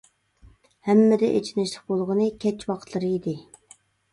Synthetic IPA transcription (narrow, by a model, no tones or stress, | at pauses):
hɛmːɪd̪ɛʔḛt͡ʃʰinɪʃlɪq̚bolˠʁənɨkʲʰɛt͡ʃwɑqʰət̪lˠɨɾɨid̪ɪ